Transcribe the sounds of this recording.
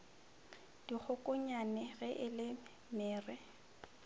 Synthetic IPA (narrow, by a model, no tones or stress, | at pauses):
d̥ik͡xʰʊkʼʊɲanɛɣɛʔɪlɪ | mɪːrɛ